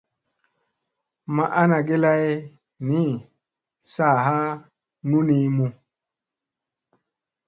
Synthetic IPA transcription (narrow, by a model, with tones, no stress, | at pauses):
ma˨ʔa˦na˨ɡe˦la˦j | ni˦ | sa˦˨ɦa˦ | nu˦ni˧˦mu˨